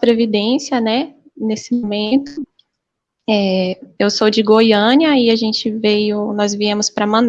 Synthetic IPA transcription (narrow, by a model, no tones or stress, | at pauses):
pɾevid̪ẽsiɐnɛ | nesɪmomẽt̪ʊ | ɛewsod͡ʒɪɡojɐ̃niɐɪaʒẽnt͡ʃɪvejʊnɔzviẽmʊspɾɐmɐ̃n